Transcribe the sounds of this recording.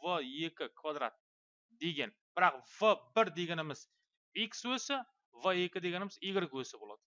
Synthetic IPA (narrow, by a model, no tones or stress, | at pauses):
vəje̞kʲɪkʰvad̪ɾa̰t̪̚ | d̪e̞ɡʲenb̥ɪɾaqvəbɪɾd̪e̞ɡʲenɪmɪz | ikʲswɵsɪ | vəe̞kʲɪd̪e̞ɡʲenɪmɪziɡʲɪɾɪɡʲwɵsɪbolˠa̰d̪ɪ̥